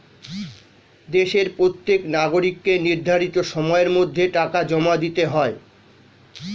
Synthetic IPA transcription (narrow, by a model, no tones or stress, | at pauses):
d̪eʃeɾpɾot̪ːeknaɡoɾikːeniɾd̪ʱaɾit̪oʃɔmɔeeɾmod̪ʱːeʈakad͡ʑɔmad̪it̪eɦɔe